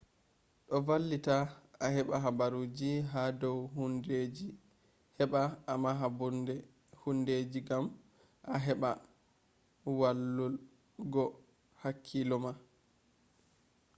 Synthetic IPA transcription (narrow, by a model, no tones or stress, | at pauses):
ɗɔvalːitaaɦɛɓaɦabaɾud͡ʒiɦadɔwɦunded͡ʒi | hɛɓaːmaɦabnd | hunded͡ʒiɡam | ʔaɦɛɓa | walːul | ɡɔ | hakʰːilɔma